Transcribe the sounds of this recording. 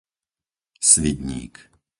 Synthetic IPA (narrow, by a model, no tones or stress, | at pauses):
sʋid̪ɲḭːk